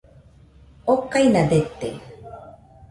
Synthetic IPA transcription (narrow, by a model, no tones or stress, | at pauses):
okajnad̪et̪ḛ